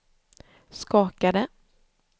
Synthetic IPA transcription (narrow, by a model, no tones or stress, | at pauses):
skɑːkad̪ə